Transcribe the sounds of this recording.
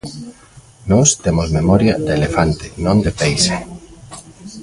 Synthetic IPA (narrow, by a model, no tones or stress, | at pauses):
nɔst̪emozmemɔɾjɐd̪elefant̪ɪnõnd̪ɪpejse